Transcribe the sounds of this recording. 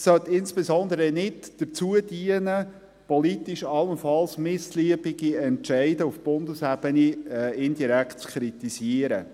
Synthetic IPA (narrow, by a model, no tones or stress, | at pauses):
sœt̪ːɪnsb̥ezɔnd̪əɾənɪdd̥əɾt͡suədiənə | pɔlit̪iʃɑlːənfɑlsmɪsliəbiɡiɛnʃæɪdəufb̥ʊndəsɛbəniɪndiɾækt̚t͡skʰɾitisiəɾə